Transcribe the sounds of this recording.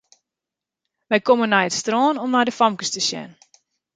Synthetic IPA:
ʋɛjkomənːajətstrɔːnɔmnajdəfamkəstəsjɛ̰n

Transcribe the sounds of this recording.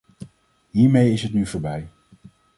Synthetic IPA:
ɦiːɹmejɪsɦətnyvʊːɹbɛj

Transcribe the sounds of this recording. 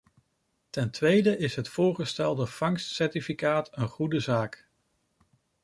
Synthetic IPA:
tɛntʋejdəʔɪsɦətfʊːɹχəstɛlˠdəv̥ɑŋstsɛɹtifikaːtənχudəzaːk

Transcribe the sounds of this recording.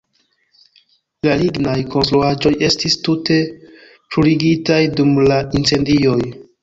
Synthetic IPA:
laliɡnajko̞nstɾuad͡ʒo̞je̞stistute̞ | pɾuɾiɡitajdumlaint͡se̞ndio̞j

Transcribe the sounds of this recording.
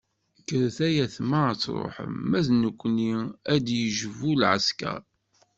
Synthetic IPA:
kːəɾθæjæθmæt͡sːɾˤo̰ħə̰mːæðnəkʷːniæd̪jəʒəvulʕə̰skæ̰

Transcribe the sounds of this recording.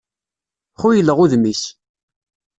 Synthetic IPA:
χʊjəlːəʁuðmis

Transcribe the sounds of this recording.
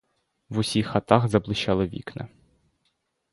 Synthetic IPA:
wʊsʲixːɐt̪ɑxzɐblˠɪʃɑlˠɪʋʲḭknɪ̰

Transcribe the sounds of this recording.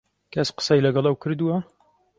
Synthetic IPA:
kʰæsqə̥sɛjlɐɡɛlˠɐwkʰɨɾd̪uwɐ

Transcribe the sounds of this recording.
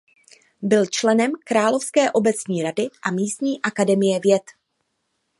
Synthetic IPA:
bɪlt͡ʃlɛnɛmkɾaːlo̞fskɛːʔo̞bɛt͡sɲiːɾadɪʔamiːst̪ɲiːʔakadɛmɪjɛvjɛt̪

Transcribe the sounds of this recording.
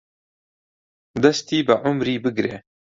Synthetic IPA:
d̪ɐst̪iːbɨʕʊmɾiːbɨɡɾḛː

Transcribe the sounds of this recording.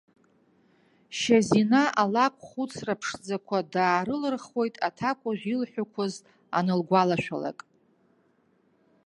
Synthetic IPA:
ʃazinaʔalakʷʰʼχut͡sʰrapʰʂd͡zakʷʰadaːɾɨlɨrχo̞jtʼatʰakʷʼaʒᶣʷilħʷᶣakʷʰʊz | a̰nɨlɡʷalaʃʷᶣa̰la̰kʼ

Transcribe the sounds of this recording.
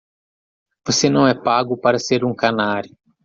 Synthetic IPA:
vosenɐ̃w̃ɛpaɡʊpaɾɐseɾũkanaɾjʊ

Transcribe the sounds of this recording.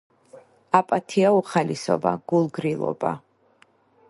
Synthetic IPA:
apʼat̪ʰiauχalisɔ̰ba̰ɡ̥ulˠɡɾilˠɔ̰ba̰

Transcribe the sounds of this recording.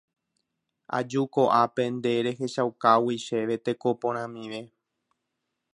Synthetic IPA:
a̰d͡ʒuko̞ʔape̞nd̪e̞ɾe̞ɦe̞ʃawkawiʃe̞ʋe̞t̪e̞ko̞põɾ̃ãmĩʋe̞

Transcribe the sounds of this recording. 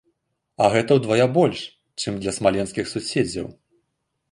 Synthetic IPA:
ɐɣɛt̪ɐwd̪vajabɔlʲʂ | t͡ʂɨmd̪lʲɐsmalʲɛnskʲixsusʲed͡zʲɐ̰w

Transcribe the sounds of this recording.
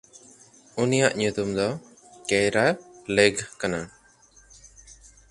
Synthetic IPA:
unijaʔɲut̪umd̪ɔ | kejɾaleɡkana

